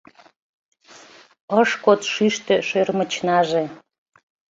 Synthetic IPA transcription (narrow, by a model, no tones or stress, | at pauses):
əʃkot̪ʃyʃt̪eʃørmət͡ɕnɑʒe